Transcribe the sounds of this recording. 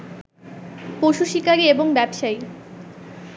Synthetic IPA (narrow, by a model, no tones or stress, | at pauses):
poʃuʃikaɾieboŋbɛbʃai